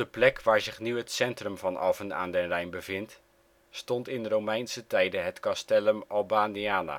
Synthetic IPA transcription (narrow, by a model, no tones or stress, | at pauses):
dəplɛkʋaːɹzɪχnyətsɛntrəmvɑnɑ̰vəna̰ːndənrɛjnbəvɪnt | stɔntɪnrowmɛjnsətɛjdəɦətkɑstɛləmɑlˠbaːniaːna̰